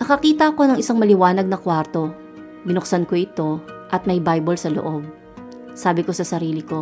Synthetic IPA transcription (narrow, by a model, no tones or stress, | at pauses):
nɐkɐkiːt̪ɐɐko̞nɐŋʔɪsaŋmɐlɪwaːnɐɡ̚nɐkwaɾt̪o̞ | bɪnʊk̚sɐnko̞ʔɪt̪o̞ʔɐt̪̚mɐjbajbolsɐlo̰ʔo̞b̚ | saːbɪko̞sɐsɐɾiːlɪko̞